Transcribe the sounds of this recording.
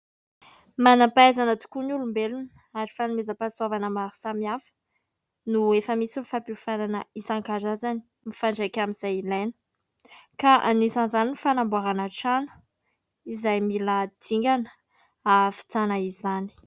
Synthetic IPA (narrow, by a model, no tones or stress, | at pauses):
manapaazanat̪u̥kunulumbelun | aɾifanumezəpasuavanəmaɾu̥samiafə̥ | nuefəmisimifapifananəisaŋkazazani̥ | mifaɳɖ͡ʐakʲamiz̥ajilajnə̥ | kaʔanisanzaninifanambuaɾanaʈ͡ʂanu̥ | izajmilad̪iŋɡʲanə̥ | afi̥t͡sanaizani̥